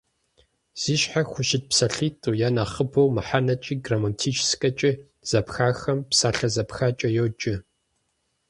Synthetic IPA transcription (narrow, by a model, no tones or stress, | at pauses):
z̥iːʃħaxʷʊʃɪt̚psɐɬiːtʼujaːnaχəbɐwmɨħanɐt͡ʃʼiːɡramɐntʰiːt͡ʃʰʼskʼɐt͡ʃʼɪ | z̥ɐpxaːxɐmpsaːɬɐzɐpxaːt͡ʃʼɐjoːt͡ʃʼɪ